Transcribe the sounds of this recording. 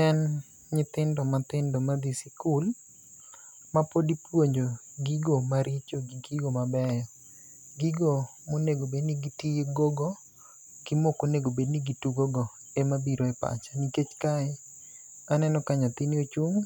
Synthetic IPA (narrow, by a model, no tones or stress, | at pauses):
ɛn | ɲɪt̪ɪndɔmat̪ɪndɔmad̪isikul | mapodipwoɲd͡ʒoɡiɡomaɾɪt͡ʃoɡiɡiɡomabɛjɔ | ɡiɡo | moneɡobedniɡitieɡoɡɔ | ɡ̥imokoneɡobedniɡituɡoɡɔ | emabiɾoɛpa̰t͡ʃaniket͡ʃkaɛ | anɛnɔkaɲat̪ɪniot͡ʃuŋ